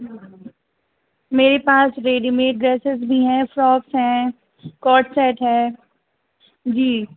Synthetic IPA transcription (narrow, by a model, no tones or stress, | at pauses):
meːɾepaːsɾeːɖimeːʈ̚ɖɾeːsɪzbʱiɦɛ̃ːfɾɔːksɦɛ̃ | kɔːɾʈsɛːʈɦɛ̃ː | d͡ʒiː